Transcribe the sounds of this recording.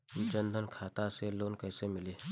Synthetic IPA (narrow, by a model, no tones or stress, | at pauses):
t͡ʃə̃nd̪ʱənkʰaːt̪aseloːnkɛːsemɪleː